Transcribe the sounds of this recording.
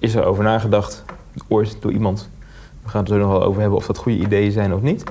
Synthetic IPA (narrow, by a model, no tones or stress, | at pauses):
ɪsɛɹo̰wvəɹnaːχədɑχt | əʊːɹdʊ̰ɹʔimɑnt | ʋəχaːnətsoknɔχʋɛlˠo̰wvəɹɦɛbənɔ̰fdɑtχujəʔidejəzɛjnɔfnit